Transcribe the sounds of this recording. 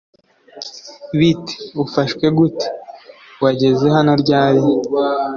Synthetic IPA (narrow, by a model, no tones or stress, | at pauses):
βite̥ufaʃkwe̞ɡute̥ | waɟe̞zeɦanoɾɟaːɾi